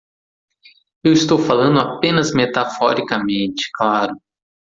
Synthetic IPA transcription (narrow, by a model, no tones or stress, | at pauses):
ewɪst̪owfalɐ̃nd̪ʊapẽnɐzmet̪afɔɾikɐmẽnt͡ʃɪ̥klaɾʊ